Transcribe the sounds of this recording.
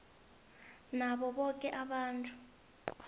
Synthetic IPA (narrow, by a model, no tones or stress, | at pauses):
naɓɔɓɔkʼɛʔaɓaːntʰʼu